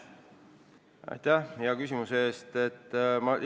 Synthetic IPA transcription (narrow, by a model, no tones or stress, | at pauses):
ɑ̰jt̪æhjɑkysʲimuseeːst̪e̞t̪ːmɑ